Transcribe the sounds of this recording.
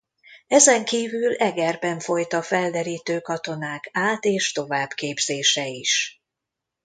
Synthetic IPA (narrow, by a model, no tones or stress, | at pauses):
ɛzɛŋkiːvylɛɡɛrbɛɱfo̞jt̪ɒfɛld̪ɛɾiːt̪øːkɒt̪o̞naːkaːt̪eːʃt̪o̞vaːbkeːbz̥eːʃɛiʃ